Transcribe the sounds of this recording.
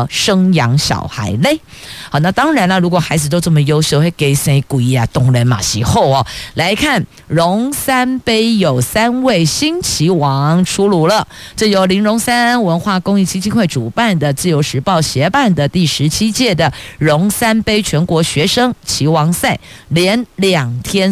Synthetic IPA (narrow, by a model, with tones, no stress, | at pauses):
ʂɤ˥ŋjɑ˧˥ŋɕjɑ̰˨˩ʊxa̰˧˥ɪle˥˩ɪ | ɔ˨˩na˥˧˩t̪ɑ˥ŋɻa˧˥nə˧ɻu˧˥kwɔ˨˩xa˧˥ɪd͡zɹ̩˨˧t̪o˥ʊʈ͡ʂə˥˩mə˩jo˥ʊɕjo˥˧xe˥˩ɪke˧˩˨sa˧˥˩i˧˩ku˨˩i˥˩a˨˩t̪ʊ˥˧˩ŋlə˧˥nma̰˨˩ɕḭ˧˥xo˥˩ʊɔ˨˩la˧˥ɪkʰa˥˩n | ɻʊ˧˦˥ŋsa˥npe˥ɪjo˨˩ʊsa˥nwe˥˩ɪɕi˥nt͡ɕʰi˧˥wɑ˧˥ŋʈ͡ʂʰu˥lu˧˥lə˧˨ | ʈ͡ʂo˥˩jo˨˥ʊli˧˥nɻʊ˧˥ŋsa˥nwə˧˥nxwa˥˩kʊ˥ŋi˥˩t͡ɕʰi˥t͡ɕʰi˥nxwe˥˩ɪʈ͡ʂu˨˩pa˥˩nd̪ə˩t͡sɹ̩˥˩jo˧˥ʊʂɻ̩˧˥pɑ˥˩ʊɕjɛ˧˥pa˥˩nd̪ə˨˩t̪i˥˩ʂɻ̩˧˥t͡ɕʰi˥t͡ɕjɛ˥˩d̪ə˩ɻʊ˧˥ŋsa˥npe˥ɪt͡ɕʰɥɛ˧˥nkwɔ˧˥ɕɥɛ˧˥ʂɤ˥ŋt͡ɕʰi˧˥wɑ˧˥ŋsa˥˩ɪljɛ˧˥nljɑ˨˩ŋt̪ʰjɛ˥n